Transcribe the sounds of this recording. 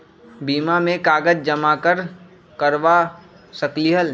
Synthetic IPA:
biːmamẽkaːɡəd͡ʒ̚d͡ʒəmakəɾ | kəɾʋa | səkliɦəl

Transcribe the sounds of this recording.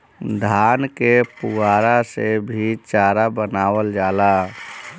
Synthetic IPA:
d̪ʱaːnkepuɡaːɾasebʱit͡ʃaːɾabənaːwəld͡ʒaːla

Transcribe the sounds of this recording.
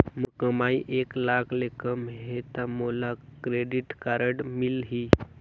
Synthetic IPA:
məkəmajʔeklakʰlekəmɦet̪amolakɾeɖiʈkaɾəɽmilɦi

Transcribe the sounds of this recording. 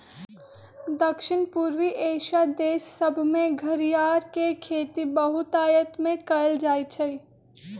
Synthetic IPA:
d̪əkʃɪnpuɾʋiʔeːʃad̪eːʃsəbʱmẽɡʱɐɾijaːɾkekʰeːt̪ibəɦʊt̪aːjət̪mẽkɐld͡ʒaːjt͡ʃʰɐi

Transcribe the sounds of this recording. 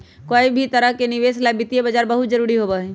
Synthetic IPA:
koːibʱit̪əɾəɦkenɪʋeːslabɪt̪ijebəd͡ʒaːɾbɐɦʊt̪zəɾuːɾiɦobaɦɛ

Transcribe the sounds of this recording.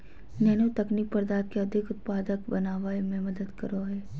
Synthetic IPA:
nɛːnut̪ɐkniːk̚pəɾd̪aːt̪̚keɐd̪ʱɪkʊt̪̚paːd̪əkbɐnaːʋaemẽmɐd̪əd̪kəɾoɦɛː

